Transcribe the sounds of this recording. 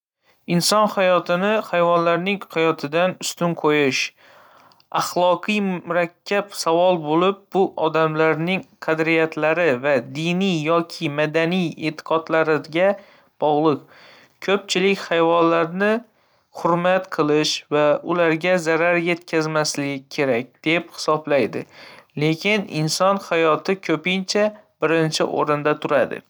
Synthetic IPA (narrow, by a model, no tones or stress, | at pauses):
ɪnsɒnhajɒt̪ʰɪnɪhajvɒnlaɾnɪŋhajɒt̪ʰɪd̪anʊst̪ʊnqʰojɪʃ | ɑχlˠɒqʰɨjmʊɾakʲʰːapsavɒlˠbolɪp̚bʊʔɒd̪amlaɾnɪŋqʰɑd̪ɾijat̪ʰlaɾɪvad̪inijjɒkʲʰɪmad̪anijet̪ʰɪ̥qʰɒd̪laɾɪɡʲa | b̥ɒʁlˠɨk̚ | kʲʰɵp̚t͡ʃʰɪlɪkʲhajvɒnlaɾnɪ | hʊɾmat̪qʰɨlˠɪʃvaʊlaɾɡʲazaɾaɾje̞t̪kʲʰazmaslɪɡʲɪkʲʰe̞ɾak̚ʲd̪̥e̞phɪ̥sɒblajd̪ɪ̰le̞kʲʰɪnɪ̰nsɒnhajɒt̪ʰɪkʰɵpɪnt͡ʃʰab̥ɪɾɪnt͡ʃʰɪ̰ʔo̰ɾɪnd̪at̪ʰʊɾad̪ɪ̰